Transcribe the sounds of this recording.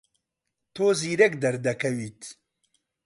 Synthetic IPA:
t̪ʰoːziːɾɛkd̪ɐɾd̪ɐkʰɐwiːt̪

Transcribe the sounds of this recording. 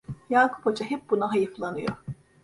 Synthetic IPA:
jaːkʰu̥pod͡ʒaɦɛp̚bunaɦajɯflˠanɯjo̰ɾ

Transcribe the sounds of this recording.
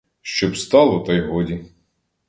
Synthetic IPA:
ʃt͡ʃɔbst̪ɑlˠɔt̪ɑjɦɔdʲi

